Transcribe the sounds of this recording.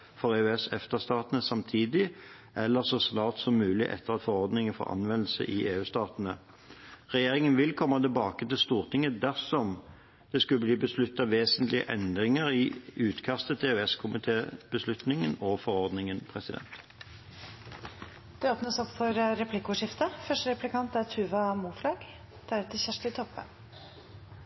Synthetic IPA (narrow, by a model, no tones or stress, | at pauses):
fɔʁeʉɛsɛft̪əst̪ɑːt̪ənəsɑmt̪ʰiːd̪ɪ | ʔɛlːəʁsɔsnɑːʁt̪sɔmːʉːlɪʔɛ̰t̪ːəʁɑt̪fɔʁɔʁd̪nɪŋəfɔ̰ʔɑ̰nʋɛnl̩sə̰ʔɪʔeːʉːst̪ɑːt̪nə | ʁɛjeːʁɪŋənʋɪlkʰɔmːɑt̪ɪlbɑːkət̪ɪlst̪uːʁt̪ʰɪŋːəd̪æʁsɔm | d̪̥ɛskʉləbliːbəslʉt̪ːɑʋeːsənt̪lɪə̰ʔɛnd̪ʁɪŋəʁɪʉːt̪kʰɑst̪ət̪ʰeʉɛskʰʊmɪt̪ʰeːb̥əslʉt̪nɪŋənɔfɔʁɔʁd̪nɪŋənpʰʁɛsɪd̪ɛ̰nt̪ | d̪̥ɛoːpnəsɔpːfɔɾɾɛpʰlɪkːʊʂɪft̪əfœʂʈəɾɛplɪkʰɑnt̪æɾt̪ʰʉːʋɑmuːflɑːɡ | d̪̥æɾɛt̪ʰːɪçæʂʈɪt̪ʰɔpːə̰